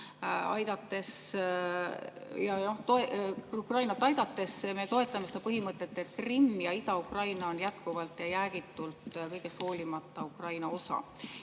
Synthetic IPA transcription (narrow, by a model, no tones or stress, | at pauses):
ɑ̰jd̪̥ɑt̪ːe̞s | jɑno̞ht̪oeukrɑjnɑt̪ːˑɑjd̪̥ɑt̪ːˑe̞sme̞t̪o̞e̞t̪ːˑɑmesed̪ɑpɤɦimɤt̪ˑːe̞t̪ːˑe̞t̪̚krimːjɑid̪ɑukrɑjnɑonjæt̪kuvɑlt̪jɑjæːɡ̥it̪ːˑult̪kɤjɡ̥e̞st̪ho̞ːlʲimɑt̪ːˑɑukrɑjnɑo̞sɑ̰